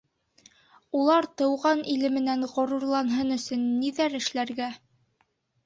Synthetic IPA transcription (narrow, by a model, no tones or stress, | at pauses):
ulˠɑɾt̪ɤ̆wʁɑnʔilɘ̆mɘ̆nænʁŏɾuɾlˠɑnɦɤnɵ̆sɵnːiðæɾɘ̆ʃlæɾɡæ